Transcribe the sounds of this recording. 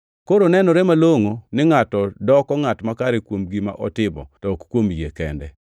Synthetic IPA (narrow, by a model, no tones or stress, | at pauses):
koɾonɛnɔɾɛmaloŋonɪŋatɔdɔkɔŋatmakaɾekwomɡima̰ʔɔ̰tɪbɔ̰tɔkkwomjekɛ̰ndɛ̰